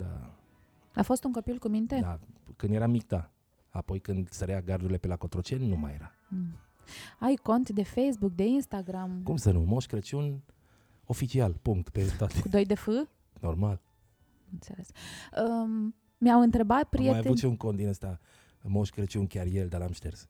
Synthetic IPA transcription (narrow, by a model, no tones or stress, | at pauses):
d̪a̰ | afo̞st̪uŋko̞pilkumint̪e̞d̪akɨnd̪je̞ɾamik̚t̪a | apo̞jkɨnd̪səɾejaɡaɾrd̪uɾile̞pe̞lako̞t̪ɾot͡ʃe̞nːuma̰jeɾa | ajko̞nt̪d̪e̞fejsbuk̚d̪e̞inst̪aɡɾamkumsənumoʃkɾət͡ʃun | o̞fit͡ʃialpuŋk̚t̪pet̪oat̪ekud̪o̞jd̪efɨ | no̞rmal | ɨnt̪se̞le̞sə | miawɨnt̪ɾe̞bat̪̚pɾieajaut̪ʃiuŋkont̪d̪inəst̪a | moʃkɾət͡ʃiunkʲarjeld̪alamʃt̪ers